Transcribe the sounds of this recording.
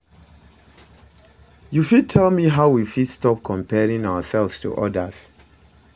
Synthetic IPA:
jufid̚tʰɛlˠmiɦaʊwifidstɔp̚kʰɔ̃mpʰɛɹĩŋaʊəsɛlˠvstʰṵʔɔ̰dəs

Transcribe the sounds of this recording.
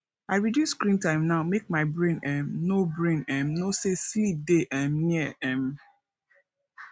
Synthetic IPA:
aɪɹidjusskɹĩntãɪ̃mnaʊmek̚maɪbɹẽnɛ̃mnobɹẽnɛ̃mnoseslideʔɛ̃mniəɛ̃m

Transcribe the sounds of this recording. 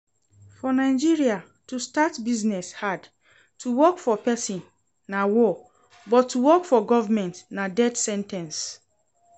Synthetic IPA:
fɔnãɪd͡ʒiɹia | tustatbiznɛshad | tuwɔkfɔpɛsĩnː | awɔ | bɔtʰːuwɔkfɔɡɔvamɛ̃ntnadɛdsɛ̃ntʰɛ̃ns

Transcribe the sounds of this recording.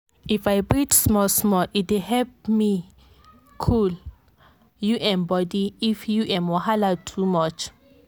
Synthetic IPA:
ifajbɹitsmɔlsmɔlʔitwehɛlp̚mi | kʰul | juʔɛ̃nbɔdiifjuʔɛ̃mwɔhalatʰumɔt͡ʃ

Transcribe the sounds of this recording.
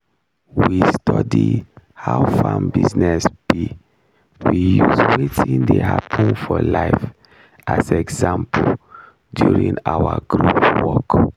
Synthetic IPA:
wistʰɔdihaʊfãmbiznɛsb̥i | wijuzwetʰĩndehapʰə̃nfɔlaɪf | azɛɡzãmpʰ | djuɹĩŋawaɡɹuwɔk

